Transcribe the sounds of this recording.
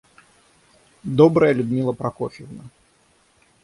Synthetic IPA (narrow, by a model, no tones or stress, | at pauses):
d̪ɔbɾəjəlʲʊd̪mʲilˠəpɾɐkɔfʲɪvnɐ